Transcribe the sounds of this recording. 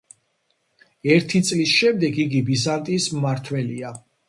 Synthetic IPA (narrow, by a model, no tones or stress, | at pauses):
ɛɾt̪ʰit̪sʼlisʃɛmd̪ɛɡiɡibizant̪ʼismmaɾt̪ʰwɛlia